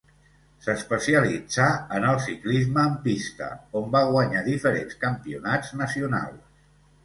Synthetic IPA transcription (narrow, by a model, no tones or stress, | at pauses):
səspəsiəlid͡zaənəlˠsiklizməːmpist̪ə̰ombaɣwəɲaðifəɾḛnskəmpiunad͡znəsiuna̰lˠs